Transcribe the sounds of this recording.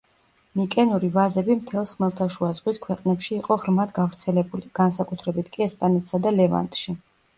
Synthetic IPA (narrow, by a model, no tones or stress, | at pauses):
mikʼɛnuɾivazɛbimt̪ʰɛlˠsχmɛlˠt̪ʰaʃuazʁwiskʰwɛqʼnɛpʃiːqʼɔʁɾmad̪ɡavɾt̪sʰɛlɛbuliɡ̥ansakʼut̪ʰɾɛbit̪ʰkʼiɛspʼanɛt̪ʰsad̪alɛva̰nt̪ʼʃi